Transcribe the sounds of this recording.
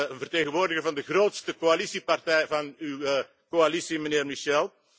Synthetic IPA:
vərteːɣənʋoːrdəɣərvɑndəɣroːtstəkoalisipartɛjvɑnyw | koalisiməneːrmiʃɛlˠ

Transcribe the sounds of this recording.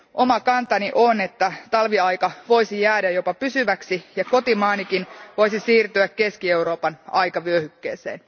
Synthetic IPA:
ʔo̞mɑkɑnt̪ɑniʔone̞t̪ːæt̪ɑlʋiɑjkɑʋo̞jsijæːdæjo̞pɑpysyʋæksijɑko̞t̪imɑːnikinʋo̞jsisiːrt̪yække̞skie̞uɾo̞ːpɑnɑjkɑʋyøhykːḛːsḛːn

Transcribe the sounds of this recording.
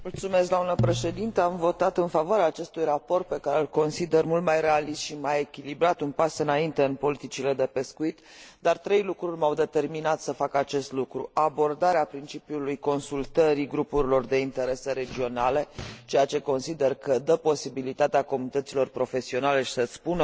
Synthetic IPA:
mult̪sumes̬ɡd̪omnəpɾe̞ʃe̞d̪int̪əamvo̞t̪at̪ɨnfavoaɾeaːt͡ʃe̞st̪ujrapo̞rt̪̚pe̞kaɾe̞ɨlko̞nsid̪e̞rmult̪̚majre̞alist̪ʃimaje̞kʲilibɾat̪unpasɨnaint̪e̞ɨnpo̞lit̪it͡ʃile̞d̪e̞pe̞skuit̪ | d̪art̪ɾe̞jlukɾurʲmawd̪e̞t̪e̞rminat̪səfakat͡ʃe̞st̪lukɾṵabo̞rd̪aɾeapɾint͡ʃipiulujko̞nsult̪əɾiɡɾupuɾilo̞rd̪e̞int̪e̞ɾe̞se̞ɾe̞d͡ʒio̞nale̞t͡ʃe̞jat͡ʃe̞ko̞nsid̪e̞rkəd̪əpo̞sibilit̪at̪eako̞munit̪ət̪silo̞rpɾo̞fe̞sio̞nale̞ʃi̥səspunə

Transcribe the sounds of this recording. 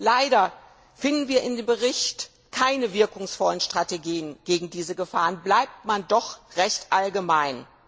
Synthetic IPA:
laɪdɐ | fɪndn̩viːɐʔɪndeːmbəʁɪçt | kʰaɪnəvɪɐkʊŋsfɔlənʃtʁ̥ateɡiːənɡ̥eːɡŋ̩diːzəɡəfaːʁənblaɪp̚tmandɔχʁɛçtʔalɡəmaɪn

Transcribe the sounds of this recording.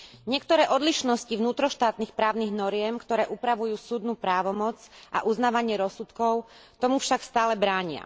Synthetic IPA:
ɲɪɛkt̪ɔɾɛːʔɔd̪liʃnɔscivnuːt̪ɾɔʃt̪aːt̪nixpɾaːʊniɣnɔɾɪɛmkt̪ɔɾɛːʔupɾaʋujuːsuːd̪nuːpɾaːʋɔmɔt͡sʔa̰ʔuznaːʋaɲɪɛɾɔsut̪kɔʊt̪ɔmufʃakst̪aːlɛbɾaːɲɪa̰

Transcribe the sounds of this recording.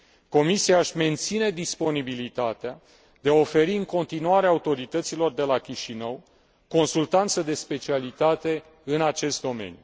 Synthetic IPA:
ko̞misijaaʃʲme̞nt̪sine̞d̪ispo̞nibilit̪at̪ea | d̪̥e̞ao̞fe̞ɾiɨŋko̞nt̪inuaɾeaut̪o̞ɾit̪ət̪silo̞rd̪e̞lakʲiʃinəw | ko̞nsult̪ant̪səd̪e̞spe̞t͡ʃialit̪at̪e̞ | ɨnat͡ʃe̞st̪̚d̪o̞me̞̰nʲju

